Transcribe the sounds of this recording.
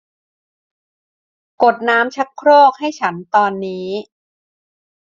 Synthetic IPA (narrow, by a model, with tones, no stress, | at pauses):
ko˨˩t̪̚naː˦˥mt͡ɕʰa˦˥kʰɾoː˥˩k̚ha˥˩jt͡ɕʰa˦˥nt̪ɔː˧nːiː˦˥